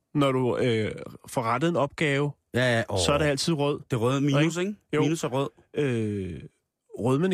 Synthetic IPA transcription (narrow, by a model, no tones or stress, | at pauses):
nɒɾuøfɒʁad̥əð̩ˠe̝nɒ̽b̥̚ɡ̥ɛːʊ | jæssɒæɐɾeæl̰t͡sʰið̰ˠʁœð̰ˠd̥e̝ʁœðˠmiːnuseŋmiːnusæʁœð̰ˠ | ø | ʁœðˠmen